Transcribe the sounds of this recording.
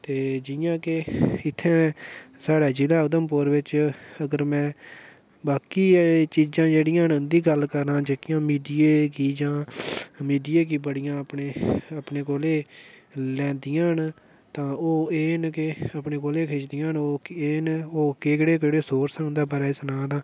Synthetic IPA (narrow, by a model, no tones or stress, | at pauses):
t̪eːd͡ʒɪjãːkeɪt̪ʰːɛ̃ːsaːɽaːd͡ʒɪlaːʊd̪əmpʊɾʋɪt͡ʃəɡəɾmɛ̃ː | baːkiːt͡ʃiːd͡ʒãːd͡ʒeːɽɪjãːnənd̪iːɡəlkəɾãːd͡ʒeːkɪjãːmiːɖiːeːkiːd͡ʒãːmiːɖiːeːk̬iːbəɽɪjãːəpneːəpneːkoːleː | lɛ̃ːnd̪ɪjãːɦn | t̪ãːoːeːnkeəpneːkoːleːkʰeːt͡ʃd̪ɪjãːnoːkeːnoːkeːkɪɽeːkəɽeːsoːɾsãːʊ̃nd̪aːbəːɾaːɪsnãːd̪ãː